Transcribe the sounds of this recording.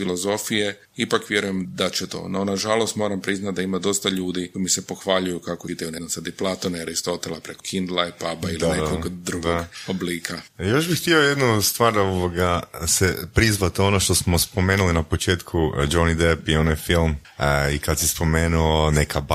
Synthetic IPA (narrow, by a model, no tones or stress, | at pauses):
ilo̞zo̞fije̞ | ipakʋje̞ɾujemd̪at͡ʃet̪o̞̰nonaʒalˠo̞st̪mo̞ːɾampɾiznat̪̚d̪aimad̪o̞st̪aʎuːd̪ioimise̞po̞xʋaʎujukakoit̪ejune̞nosad̪iplˠat̪oneaɾist̪o̞t̪elapɾekokʰind̪lˠajpabailinekoɡd̪ɾuɡoɡobliːkʰajo̞ʃbixt̪iojed̪nust̪ʋaːɾdoʋoɡasepɾizʋat̪o̞noʃt̪o̞smospo̞meːnulinapo̞t͡ʃe̞ːt̪kʰud͡ʒonid̪epionajfilˠm | ikad̪sispo̞meːnuonekʰab